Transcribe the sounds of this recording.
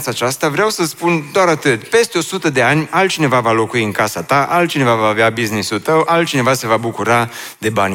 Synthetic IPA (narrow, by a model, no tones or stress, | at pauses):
t̪sat͡ʃast̪avɾeawsəspund̪oaɾat̪ɨt̪ʲpe̞st̪e̞o̞sut̪əd̪e̞anʲalt̪̚t͡ʃine̞vavalo̞kuiɨŋkasat̪aʔalt̪̚t͡ʃine̞vavaːveabiznisult̪əwʔalt̪̚t͡ʃine̞vase̞vabukuɾa | d̪e̞banʲ